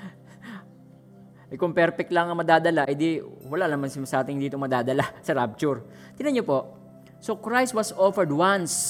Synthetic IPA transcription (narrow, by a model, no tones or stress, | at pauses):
ʔɐjkʊŋpɛɾpɛk̚t̪lɐŋɐmɐd̪aːd̪ɐlaʔɐjd̪iwɐlaʔnɐmɐŋsɪmsɐʔaːt̪ɪŋd̪iːt̪omɐd̪aːd̪ɐlasɐɾab̚t͡ʃʊɹ | t̪ɪnɐɲopo̞ʔ | sokɹajst̪̚wɐsofɛɹd̪wɐns